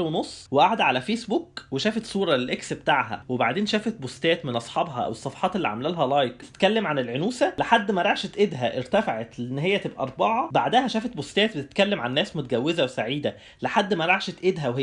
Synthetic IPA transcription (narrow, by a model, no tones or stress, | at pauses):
wenosˤːweʔaʕd̪æʕalæfeːsbukweʃæːfet̪sˤuːɾˤɑlelʔeksbet̪aʕɦæ̰webaʕd̪eːnʃæːfæt̪̚bost̪æːt̪menʔɑsˤħɑbɦɑʔæ̰wesˤːɑfɑ̥ħɑːt̪elːiʕa̰mælælɦælɑːjk̚t̪e̥t̪kælːemʕanelʕenuːsæleħad̪ːmæɾˤɑʕʃet̪ʔed̪ɦæʔeɾt̪æfaʕet̪leʔenːɦejːæt̪ebʔæ̰ʔɑɾˤbɑʕɑbaʕd̪æhæʃæːfæt̪̚bost̪æːt̪̚bet̪e̥t̪kælːemʕanːæːsmot̪æɡæwːezæwesaʕiːd̪æ | leħad̪ːmæɾˤɑʕʃet̪ʔed̪ɦæwe